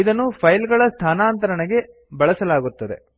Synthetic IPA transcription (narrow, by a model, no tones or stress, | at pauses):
id̪ɐnːupʰɐjlɡɐɭɐst̪ʰaːnaːnt̪ɐɾɐɳeɡe̞ | bɐɭɐsɐlaːɡut̪ːɐd̪e̞̰